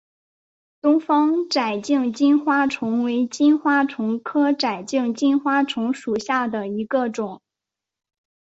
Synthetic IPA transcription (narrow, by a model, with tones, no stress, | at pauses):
t̪ʊ˥ŋfɑ˥ŋʈ͡ʂa˨˩ɪt͡ɕi˥˧ŋt͡ɕi˥nxwa˥ʈ͡ʂʰʊ˧˥ŋwe˧˥ɪt͡ɕi˥nxwa˥ʈ͡ʂʰʊ˧˥ŋkʰɤ˥ʈ͡ʂa˨˩ɪt͡ɕi˥˩ŋt͡ɕi˥nxwa˥ʈ͡ʂʰʊ˧˥ŋʂu˨˩ɕja˥˩d̪ə˩i˧˥ɡə˧ʈ͡ʂʊ˨˩˦ŋ